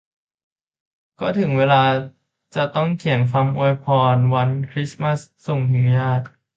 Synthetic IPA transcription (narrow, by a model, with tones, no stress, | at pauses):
kɔː˥˩t̪ʰɯ˩˦ŋweː˧laː˧ | t͡ɕa˨˩t̪ɔ˥˩ŋkʰi˨˩˦ənfa˧mʔu˧jpʰɔː˧nwa˧˥nkʰɾi˦˥sma˦˥˩sːo˨˩ŋni˩˦jaː˥˩t̪̚